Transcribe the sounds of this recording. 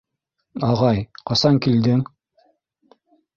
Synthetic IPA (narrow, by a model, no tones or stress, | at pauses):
ɑʁɑjqɑsɑŋkild̪ɘŋ